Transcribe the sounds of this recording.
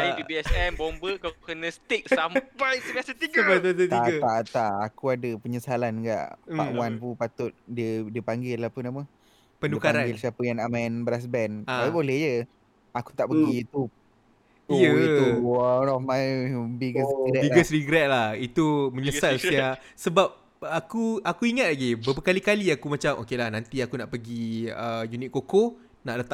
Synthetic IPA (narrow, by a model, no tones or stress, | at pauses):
ajibiɛsɛmbombəkakukənə̃st̪ɪk̚sampajsəmasət̪iɡajt̪̬at̪ət̪iaʔət̪aʔt̪aʔakuadəpəɲəsalanɡa̰ʔpa̰ʔwanpupat̪ʊt̪̚diədiəpaŋɡɪlapənamə | pədnduəkaɾaŋnɡɪlsiapəjaŋamanbəɾas̬bɛnaibolɛhd͡ʒə | aku̥t̪aʔpəɡit̪u | jəuwanɔfmajbiɡəsiɡɛbiɡəsɾiɡɾɛt̪̚lahit̪uməɲəsalsja | səbap̚ | akuakuiŋat̪̚laɡibəbəkalikaliakumat͡ʃamʔo̰kelahnant̪iakunaʔpəɡiəjunɪt̪̚koko | naʔlət̪aʔ